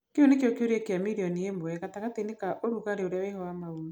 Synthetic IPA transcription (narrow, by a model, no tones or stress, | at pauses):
keonekeɔkeoɾiɛkeamiɾiɔniemoɛɣataɣatenekaʔoɾuɣaɾeoɾeawehɔamaumu